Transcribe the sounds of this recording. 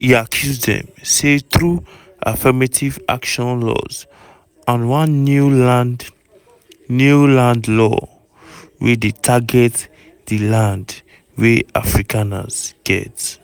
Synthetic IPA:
jiakʰjuzdɛ̰̃mseθɹu | ʔa̰fɛmatʰivʔa̰kʃɔ̃nlɔ̰z | ãnwãnːuland | nulãndlɔ̰ | wɛdetʰaɡɛt | dilãnd | wea̰fɹikʰana̰z̥ɡ̥ɛ̰t

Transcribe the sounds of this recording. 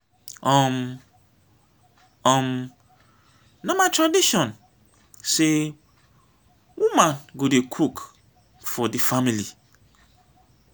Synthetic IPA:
ɔ̃m | ɔ̃m | nãmãtʰɹadiʃɔ̃n | se | wumãnɡodekʰuk | fɔdɪfamili

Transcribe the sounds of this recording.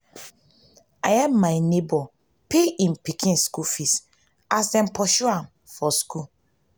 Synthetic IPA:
aɛmmaɪnebɔ | peĩmpikʰĩnskufis | asɛ̃mpʰɔʃuam | fɔsku

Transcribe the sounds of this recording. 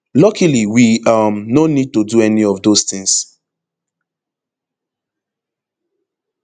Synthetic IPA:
lɔkʰiliwiamnonid̚tuduɛniɔvdosθĩŋs

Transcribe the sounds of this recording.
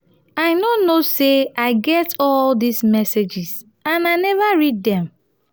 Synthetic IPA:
aɪnonoseaɪɡɛtɔldizmɛsed͡ʒiz | ãnaɪnɛvaɹid̚dɛ̃m

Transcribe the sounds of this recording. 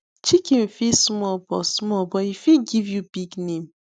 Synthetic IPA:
t͡ʃikĩm̩fismɔbɔsmɔlbɔifiɡivjubiɡnẽm̩

